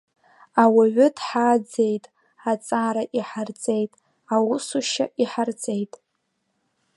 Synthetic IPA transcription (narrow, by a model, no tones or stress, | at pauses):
awaʕʷʊtʰħad͡ze̞jtʼ | at͡sʼaɾaʔiħart͡sʼejtʼ | awʊsuʃa̰ʔiħart͡sʼejtʼ